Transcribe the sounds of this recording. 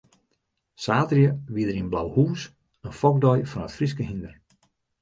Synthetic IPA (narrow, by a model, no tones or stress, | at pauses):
saːtrjəʋiədərinblawhuːs | ənfɔk̚dɔjfɔnətfriskəɦindər